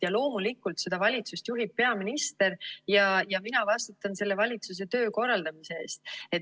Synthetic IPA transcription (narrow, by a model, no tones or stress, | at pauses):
jɑlo̞ːmulikːˑult̪se̞d̪̥ɑvɑlʲit̪sust̪juɦip̚ːe̞ɑminist̪e̞ɾjɑjɑminɑvɑst̪ut̪ːˑɑnse̞lːe̞vɑlʲit̪sus̬e̞t̪ø̞ːko̞rːɑld̪ɑmise̞e̞ːst̪̚e̞t̪